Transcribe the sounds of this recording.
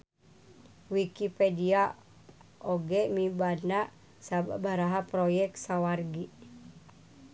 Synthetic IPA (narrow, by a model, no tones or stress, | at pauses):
wikipedia | ʔoɡɛmibanaʔ | sababaɾaɦapɾojɛk̪̚sawarɡi